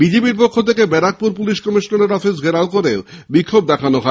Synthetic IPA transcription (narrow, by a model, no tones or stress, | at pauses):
bid͡ʑepiɾpokʰːot̪ʰekebɛɾak̚puɾpuliʃkɔmiʃnoneɾɔfʰis̬ɡʱeɾaokoɾeobikʰːob̚d̪ɛkʰanoɦɔ